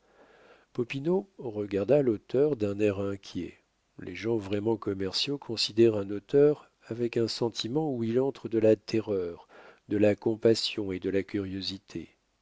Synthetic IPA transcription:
pɔpinoʁəɡaʁd̪alot̪œʁd̪ɛ̃nɛʁɛ̃kʲjɛ̰ | lʔḛʒɑ̃vʁɛmɑ̃kɔmɛʁsjokʰɔ̃sid̪ɛʁɛ̃not̪œʁ | avɛkɛ̃sɑ̃t̪ʰimɑ̃uilɑ̃t̪χəd̪əlat̪ʰeʁœʁd̪əlakɔ̃pasjɔ̃ed̪əlakʲyʁjozit̪ʰḛ

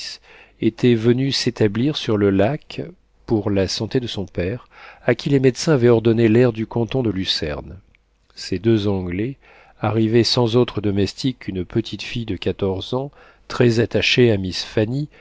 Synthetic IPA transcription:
s | et̪ʰɛvənyset̪abliʁsyʁləlak | puʁlasɑ̃t̪ed̪əsɔ̃pɛʁakʲilemɛd̪sɛ̃avɛɔʁd̪ɔnelɛʁd̪ykɑ̃t̪ɔ̃d̪əlysɛ̰ʁn | sed̪øzɑ̃ɡlɛ | aʁivesɑ̃zot̪χəd̪ɔmɛst̪ʰikʰːynpət̪ʰit̪fijd̪əkat̪ɔʁzɑ̃ | t̪χɛzat̪aʃeamisfani

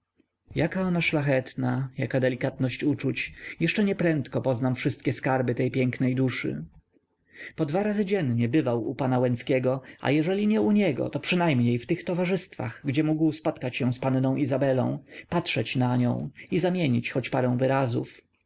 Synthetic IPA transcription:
jakaɔnaʂlaxɛt̪najakad̪ɛlʲikat̪nɔɕt͡ɕut͡ʂut͡ɕjɛʂt͡ʂɛɲɛpɾɛnt̪kɔpɔznamfʂɘst̪̚kʲɛskaɾbɘt̪ɛjpʲjɛŋknɛjd̪uʂɘ̰ | pɔd̪vaɾazɘd͡ʑɛnɲɛbɘvawṵpanawɛ̃nt̪skʲɛɡɔa̰jɛʐɛlʲiɲɛuɲɛɡɔ̰t̪ɔpʂɨnajmɲejft̪ɘxt̪ɔvaʐɘst̪fa̰ɣɡd͡ʑɛmuɡwspɔt̪kat͡ɕɕɛw̃spannɔ̃w̃ʔizabɛlɔ̰̃w̃patʂɛt͡ɕnaɲɔ̰̃w̃izamʲjeɲit͡ɕxɔt͡ɕpaɾɛ̃w̃vɘɾazṵf

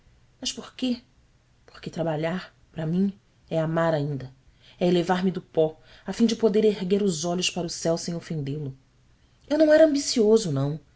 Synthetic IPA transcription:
mɐʃpoɾke | po̥ɾket̪ɾabaʎaɾ | pɾɐmĩ | ɛamaɾaĩnd̪ɐ | ɛelevaɾmɪd̪ʊpɔ | afĩd͡ʒɪpod̪eɾeɦɡeɾʊzɔʎʊʃpaɾɐʊsɛwsẽj̃ofẽnd̪elʊ | ewnɐ̃w̃ɛɾɐ̃mbisiozʊnɐ̃w̃

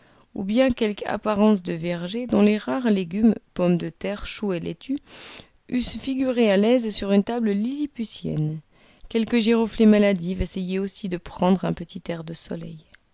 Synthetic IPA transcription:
ṵbjɛ̃kʲɛlka̰paʁɑ̃s̬d̪əvɛʁʒed̪ɔ̃leʁaʁleɡʲympɔmd̪ət̪ɛʁʃuelʔḛt̪ʰy | ysfiɡʲyʁealɛzsyʁynt̪abləlilipysjɛ̰n | kʲɛlkəʒeʁoflemalad̪ivesejeosid̪əpχɑ̃d̪ʁɛ̃pət̪it̪ɛʁd̪əsɔ̰lɛ̰j

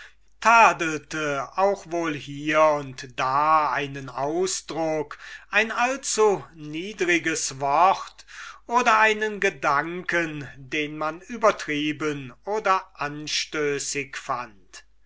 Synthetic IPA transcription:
tʰaːdəl̩təaʊxvoːlhiːɐʊntd̥aːaɪnənaʊsd̥ʁʊkʔaɪnalt͡suniːdʁɪɡəsvɔχtʔoːdɐaɪnənɡədaŋkəndeːnmanyːbɐtʁ̥iːbənʔoːdɐʔanʃtøːsɪkfant

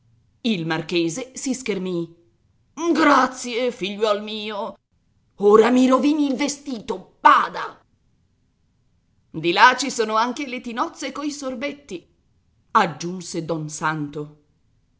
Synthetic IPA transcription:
ilmarkeːzesiskermi | ɡɾat̪sjefiʎːwɔlmiːo | oːɾamiɾoviːniːlvest̪iːt̪ob̥aːd̪a | d̪ilat͡ʃisoːnoaŋk̟elet̪inɔt̪sːekoisorbet̪ːi | ad͡ʒːunsed̪ɔnsant̪o

